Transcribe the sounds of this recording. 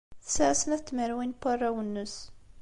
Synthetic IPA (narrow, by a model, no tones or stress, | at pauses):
θə̥səʕsənæθt̪ːməɾwinpːɑrˤːawənːəs